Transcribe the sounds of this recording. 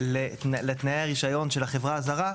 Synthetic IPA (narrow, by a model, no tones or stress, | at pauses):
lelet̪najeaʁiʃajo̞nʃelhaχe̞vʁaːzaʁa